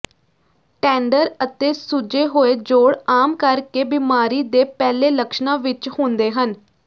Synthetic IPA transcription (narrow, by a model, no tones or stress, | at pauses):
ʈɛ̃ːɳɖəɾət̪eːsʊd͡ʒeːɦoːeːd͡ʒoːɽaːmkəɾkeːbɪmaːɾiːd̪eːpɛːleːləkʃnãːʋɪt͡ʃhʊ̃ːnd̪eːɦən